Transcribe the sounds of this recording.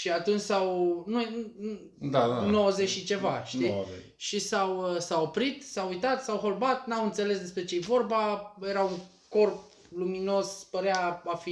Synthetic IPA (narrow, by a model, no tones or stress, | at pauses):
ʃiat̪unt͡ʃʲsawnuenu | d̪anowəzet͡ʃʃit͡ʃe̞vaʃt̪i | ʃisawsawopɾit̪sawujt̪at̪sawɦo̞lbat̪nawɨnt̪se̞le̞sd̪e̞spɾe̞t͡ʃejevo̞rbajeɾauŋ | ko̞rp̚ | lumino̞spəɾeaafi